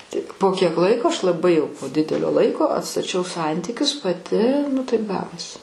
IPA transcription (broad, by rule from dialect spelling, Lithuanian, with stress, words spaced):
ˈtʲɪk poː ˈkʲiɛk ˈlˠɐɪkoː ˈɐʃ lˠɐˈbɐɪ jɛʊ poː ˈdʲɪdʲɛlʲoː ˈlˠɐɪkoː ɐtstɐˈt͡ʃʲɛʊ ˈsɐnʲtʲiːkʲʊs pɐˈtʲɪ nʊ ˈtɐɪp ˈɡɑːʋoːsʲɪ